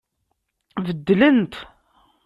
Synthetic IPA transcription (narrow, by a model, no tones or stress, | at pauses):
vəd̪ːlənt̪